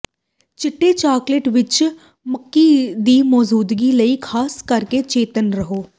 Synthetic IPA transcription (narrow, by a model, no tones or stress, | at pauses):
t͡ʃɪʈːeːt͡ʃaːkleʈʋɪt͡ʃ | məkːiːd̪iːmɔːd͡ʒuːd̪ɡiːləiːkʰaːskəɾket͡ʃeːt̪ənɾəɦoː